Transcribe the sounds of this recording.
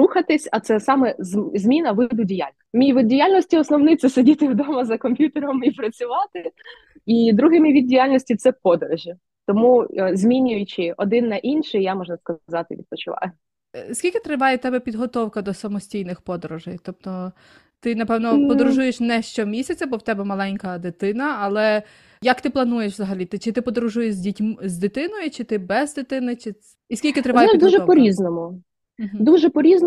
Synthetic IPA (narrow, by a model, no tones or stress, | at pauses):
ɾuxɐt̪ɪsʲɐt̪sɛsɑmɛzzmʲinɐʋɪd̪ʊdʲija̰lʲnmʲiʋɪd̪dʲijalʲnɔsʲtʲiɔsnɔwnɪt̪sɛsedʲit̪ɪwd̪ɔmɐzɐkɔmʲpʲjut̪eɾɔmipɾɐt͡sʲʊʋɑt̪ɪ | id̪ɾuɦɪmʲiʋʲid̪̚ʲdʲijalʲnɔsʲtʲit̪sɛpɔd̪ɔɾɪʒi | t̪ɔmuzʲmʲinʲʊjʊt͡ʃɪɔd̪ɪnːɐʔinʃɪjjamɔʒnɐskɐzɑt̪ɪʋʲḭd̪̚pɔt͡ʃɪʋɑ̰jʊ | sʲkʲilʲkɪt̪ɾɪʋɑjɛt̪ɛbɛpʲid̪ɦɔt̪ɔwkɐd̪ɔsɐmɔsʲtʲijnɪxpɔd̪ɔɾuʒɪjt̪ɔp̚t̪ɔ | t̪ɪnɐpɛwnɔppɔd̪ɾʊʒujeʃnɛʃt͡ʃɔmʲisʲɐt͡sʲɐbɔwt̪ɛbɛmɐlˠɛnʲkɐd̪ɪt̪ɪnɐːlˠɛ | jɐkt̪ɪplˠɐnujeʃzɐɦɐlʲit̪ɪt͡ʃɪt̪ɪpɔd̪ɾuʒujeʃzʲdʲitʲmzʲd̪ɪt̪ɪnɔjʊt͡ʃɪt̪ɪbɛzd̪ɪt̪ɪnɪt͡ʃɪ | iskʲilʲkʲɪt̪ɾɪʋɑjɛɛid̪uʒɛpɔɾʲiznɔmʊ | d̪uʒɛpɔɾʲizn